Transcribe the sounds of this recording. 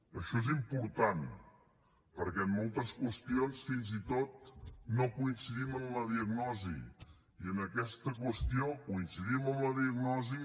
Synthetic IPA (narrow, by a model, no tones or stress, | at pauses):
əʃɔezimpuɾt̪an | pəɾkɛəmːɔlˠt̪əskwəst̪ionsfinzit̪ot̪̚nokuinsiðimənləðiəɡnɔzḭ | iənəkɛst̪əkwəst̪iokuinsiðiməmləðiəɡnɔzi